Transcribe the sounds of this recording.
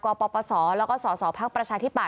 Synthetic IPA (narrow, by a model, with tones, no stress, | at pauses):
kɔː˧pɔː˧pɔː˧sɔː˩˦lɛː˦˥kɔː˥˩sɔː˩˦sɔː˩˦pʰa˦˥k̚pɾa˧t͡ɕʰaː˧t̪ʰi˦˥pa˨˩